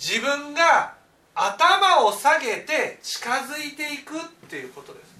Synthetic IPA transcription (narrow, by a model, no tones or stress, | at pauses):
d͡ʑibɯ̟̃ŋɡa | at̪amao̞saɡe̞t̪e̞t͡ɕi̥kazɨit̪e̞ikɯ̟t̪ːe̞jɯ̟ko̞t̪o̞d̪e̞sɨ̥